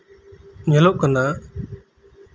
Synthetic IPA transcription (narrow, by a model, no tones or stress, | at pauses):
ɲəloːʔkənd̪aː